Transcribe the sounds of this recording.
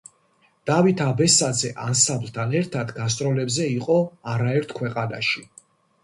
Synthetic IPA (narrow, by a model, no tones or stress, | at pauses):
d̪̥avit̪ʰabɛsad̪zɛʔansamblt̪ʰanɛɾt̪ʰad̪ɡas̬t̪sʼɾɔlɛbzɛiqʼɔaɾaɛɾt̪ʰkʰwɛqʼana̰ʃi